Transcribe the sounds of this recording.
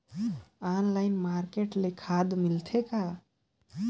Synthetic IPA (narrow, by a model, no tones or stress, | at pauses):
anlaɪnmaɾkeʈlekʰad̪milt̪ʰeka